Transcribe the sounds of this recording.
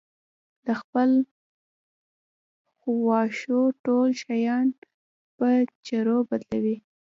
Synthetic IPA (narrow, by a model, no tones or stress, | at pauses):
d̪̥əxpəl | xuwɑʃoʈolʃajɑn | pət͡ʃaɾobad̪lawi